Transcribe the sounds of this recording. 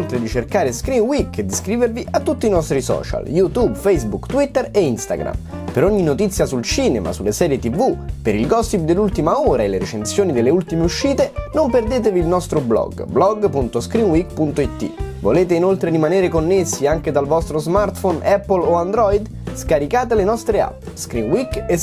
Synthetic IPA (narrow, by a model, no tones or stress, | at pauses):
olt̪ɾed̪it͡ʃerkaːɾeskɾinwiked̪iskɾiːverviʔat̪ːut̪ːiːnɔst̪ɾisɔ̰ːt͡ʃa̰ljut̪ubfejzbukt̪wit̪ːeɾeinst̪a̰ɡɾa̰m | peɾoɲːinot̪it̪sːjasult͡ʃiːnema̰sulːesɛːɾjet̪ivupeɾilɡɔst̪ip̚d̪elːult̪imaoːɾaelːeɾet͡ʃensjoːnid̪elːeult̪imeuʃːiːt̪enomperd̪eːt̪̬eviːlnɔst̪ɾoblɔ̰ɡblɔɡpunt̪oskɾinwikpunt̪oit̪ːḭvo̰leːt̪einolt̪ɾeɾimaneːɾekonːesːiaŋk̟ed̪alvɔst̪ɾozmart̪fonʔɛpːoloand̪ɾɔid̪ | skaɾikaːt̪elenɔst̪ɾea̰pː | skɾinwike